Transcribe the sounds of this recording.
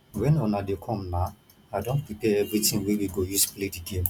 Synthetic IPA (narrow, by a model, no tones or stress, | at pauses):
wɛ̃nɔnadekʰɔ̃mna | adɔ̃npipɛɛvɾitĩnwewiɡojusplediɡẽm